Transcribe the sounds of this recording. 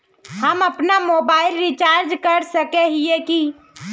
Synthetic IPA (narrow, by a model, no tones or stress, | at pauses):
həməpnamoːbaːɪlɾit͡ʃaːɾd͡ʒkəɾsəkeɦieki